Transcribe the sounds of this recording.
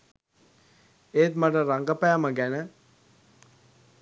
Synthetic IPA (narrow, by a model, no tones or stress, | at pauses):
eːt̪maʈəɾaŋɡəpæːməɡænə